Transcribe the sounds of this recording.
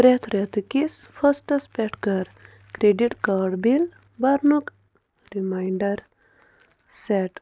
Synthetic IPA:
ɾet̪ʰɾet̪ukisfʰɐsʈɐspeʈkɐɾ | kɾeɖiʈkaːɖbil | bɐɾnuk | ɾimajɳɖɐɾ | seʈ

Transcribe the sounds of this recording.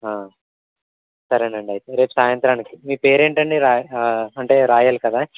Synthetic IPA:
aː | sɐɾɐɳɖɐɳɖiɐjt̪eɾe̞ːpsaːjɐnt̪ɾaːnikimiːupe̞ːɾe̞ːɳʈɐɳɖiɾaːɐɳʈe̞ːɾaːjɐlkɐd̪aː

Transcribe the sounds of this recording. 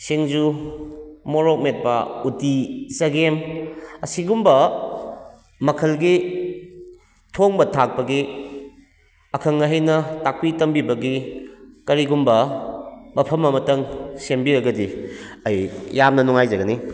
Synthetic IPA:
seŋd͡ʒu | moɾok̚met̚pɐutisɐɡemɐsiɡumbɐ | mɐkʰɐlɡi | tʰoŋbɐtʰak̚pɐɡi | ɐkʰɐŋɐɦɐjnɐtak̚pitɐmbibɐɡikɐɾiɡumbɐ | mɐpʰɐmɐmɐtɐŋsembiɾɐɡɐdiɐjjamnɐnuŋajzɐɡɐni

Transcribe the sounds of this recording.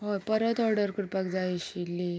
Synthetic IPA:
ɦopəɾət̪ɔɾɖəɾkəɽʈpakd͡zaiɕilːi

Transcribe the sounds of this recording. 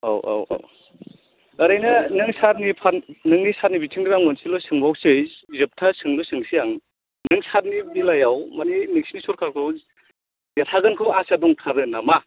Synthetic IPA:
a̰wʔa̰wa̰w | ɯɾajnanɯŋsaɾnipʰanɯŋnisanibitʰɯŋdɯɡaŋmɯnsilɔsɯŋbawsɯjzɯp̚tʰasɯŋlɔsɯŋsijaŋ | nɯŋsat̚nibilajawmaninik̚snisɔɾkʰaɾkʰɯw | jatʰaɡɯnkʰɯwasadɔŋtʰaɾɯnama

